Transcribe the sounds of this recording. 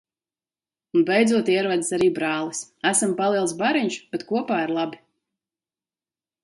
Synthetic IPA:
unbɛjd̪zuɔt̪iɛɾvad̪isaɾiːbɾaːlˠisæsampalˠiɛlˠsbaɾiɲʃb̥ɛt̪kuɔpaːiɾlˠabi

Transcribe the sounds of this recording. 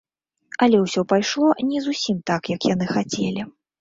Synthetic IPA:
ɐlʲɛwsʲɔpajʂlˠɔnʲɛzusʲimt̪akjɐkjan̪ɨxat͡sʲɛlʲi

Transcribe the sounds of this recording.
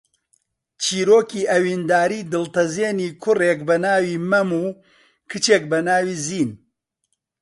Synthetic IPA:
t͡ʃʰiːɾoːkiːʔɐwiːnd̪aːɾiːd̪ɨlt̪ɐzeːniːkʰʊreːk̚bɐnaːwiːmɐmuː | kʰɨt͡ʃeːk̚bɐnaːwiːziːn

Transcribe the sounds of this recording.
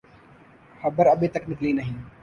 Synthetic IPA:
xɐbəɾɐbʱet̪ɐknɪklinɐɦĩː

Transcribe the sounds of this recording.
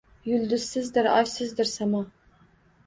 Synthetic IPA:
jyld̪yssɪzd̪ɪɾɑ̰jsɪzd̪ɪɾsɑmɑ

